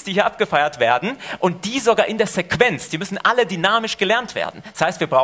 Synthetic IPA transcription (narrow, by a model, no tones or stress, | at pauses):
sd̥iːhiːɐʔap̚ɡ̥əfaɪɐtv̥eːɐdn̩ʔʊnt̚d̥iːzoɡaːʔɪndeːɐzɛkv̥ɛnt͡sd̥iːmʏsn̩ʔalədynaːmɪʃɡ̥əlɛɐntv̥ḛːɐdn̩dashaɪstv̥iːɐbʁaʊ